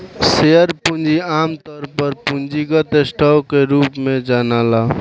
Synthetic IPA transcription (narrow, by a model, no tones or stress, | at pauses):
seəɾpund͡ʒiamt̪ɔːɾpəɾpund͡ʒiɡət̪esʈʰakeɾupmed͡ʒanala